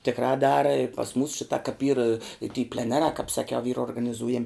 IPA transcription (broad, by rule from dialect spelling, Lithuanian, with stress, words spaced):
tʲɪkˈrɑː ˈdɑːrɐ ɪr pɐs muːs ˈʃʲɪtɑː kɐp iːr ɪ tʲiː pʲlʲɛˈnʲæːrɑː kɑːp sɐˈkʲɛʊ iːrɐ oːrɡɐnʲɪˈzuːjɛmʲ